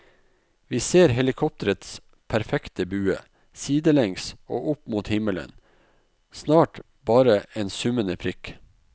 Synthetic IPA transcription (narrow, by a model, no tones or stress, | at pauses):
ʋiːseːɾɦɛlɪkʰɔp̚t̪əɾət̪s | pʰæɾfɛkt̪əbʉːə̰ | siːd̪əlɛŋsoːʔʊpmuːt̪hɪmələ̰n | snɑːʈ | bɑːɾəeːnsʉmənəpʰɾɪk